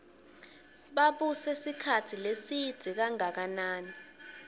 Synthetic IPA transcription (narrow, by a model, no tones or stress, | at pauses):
ɓaɓusɛsikʰatʰilesid̥z̥ʱik̬aŋak̬anaːni